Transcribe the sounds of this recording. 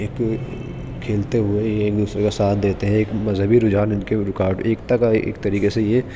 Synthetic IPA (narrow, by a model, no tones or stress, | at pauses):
eːk | kʰeːlt̪eɦʊejeːkd̪uːsɾekasaːt̪̚ʰd̪eːt̪eɦɛ̃eːkmɐzɦəbiɾʊd͡ʒaːnɪnkeɾɪkaːɾɖeːk̚t̪ɐkaḛːkt̪ɐɾiːkeseje